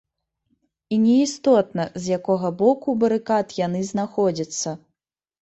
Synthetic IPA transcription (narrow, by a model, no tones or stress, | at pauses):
inʲɛist̪ɔt̪nɐzʲjakɔɣɐbɔkubɐɾɨkat̪janɨznaxɔd͡zʲɐt̪sːɐ